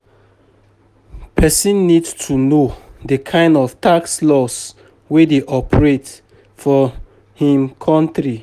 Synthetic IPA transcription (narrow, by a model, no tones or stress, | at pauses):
pʰɛsĩnːidtʰunodəkʰãɪ̃ndɔftakslɔs | wedeʔɔpʰəɹet | fɔ | hĩmkʰɔ̃ntɹi